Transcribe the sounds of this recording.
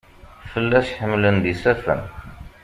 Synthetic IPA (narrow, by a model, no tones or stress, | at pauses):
fəlːæʃħəmlənd̪isæfə̰n